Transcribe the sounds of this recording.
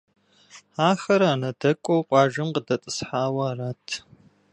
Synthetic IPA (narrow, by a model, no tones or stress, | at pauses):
aːxɐɾaːnɐdɐkʷʼowqʷʼɑːʒɐmqədɐtʼɨsħaːwɐraːtʰ